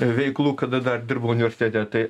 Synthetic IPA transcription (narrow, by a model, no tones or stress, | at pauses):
ʋʲɛɪklˠuːkɐd̪ɐd̪ɐrd̪ʲɪɾbɐʊnʲɪʋʲɛɾʲsʲɪt̪ʲæːt̪ʲæːt̪ɐɪ